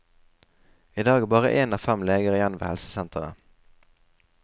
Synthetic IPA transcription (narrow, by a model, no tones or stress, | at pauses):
iːd̪ɑːɡbɑːʁə̰ʔeːnɑːfɛmleːɡəʁəjɛnʋḛːhɛlsə̥sɛnt̪ʰəʁə̰